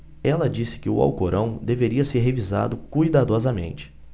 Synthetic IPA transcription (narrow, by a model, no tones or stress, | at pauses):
ɛlɐd͡ʒisɪ̥kɪʊ̰a̰wkoɾʔɐ̃w̃d̪eveɾiɐseɾɦeviza̰d̪ʊkujd̪ad̪ɔzɐmḛ̃nt͡ʃɪ̥